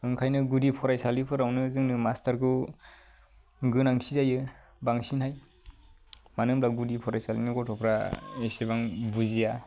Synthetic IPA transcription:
ɯŋkʰajnɯɡudipʰɔɾajsalipʰɯɾawnɯzɯŋnɯmastaɾɡɯ | ɡɯnaŋtʰizajɯ | baŋsinhaj | manɯmlaɡudipʰɔɾajsalinɯɡɔtʰɔpʰɾaesebaŋbuzija

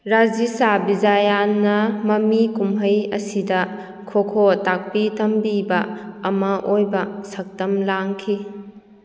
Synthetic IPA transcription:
ɾad͡ʒisabizajanːɐmɐmikumɦɐjɐ̰sidɐ | kʰokʰotak̚pitʰɐmbibɐɐmɐʔojbɐsɐk̚tɐmlaŋkʰi

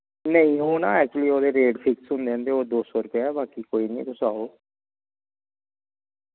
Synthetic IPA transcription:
nəĩɦoːnaːɛːk̚t͡ʃuəliːoːd̪eːɾeːɖpʰɪksɦʊ̃nd̪eə̃nd̪eoːd̪oːsɔːɾʊpjaːɛbaːkikoːiːnḭ̃ːpʊsaːoː

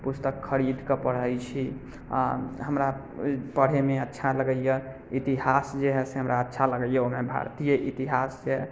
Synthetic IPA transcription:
pust̪əkʰːəɾid̪ʱkepəɽ̤əjt͡ʃʰi | a̰ɦəmɾa | pəɽ̤emeətːʃʰaləɡəjə | it̪iɦasd͡ʒeɦɛseɦəmɾʔaətːʃʰaləɡəjəomebʱa̰ɾt̪ijəʔit̪iɦasd͡ʒe

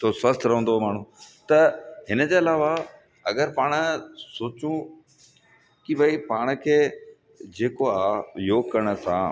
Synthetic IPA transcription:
t̪ʰoswɐst̪ʰɾɐɦə̃nd̪omaːɽ̤̃ũt̪ɐɦɪnəd͡ʑeːɐlaːʋa | ɐɡəɾpaːɽ̃soːt͡ɕũ | kibʱɐipaːɽ̃kʰeː | d͡ʑeːkoaːjoːɡkɐɽ̃ə̆sã̰

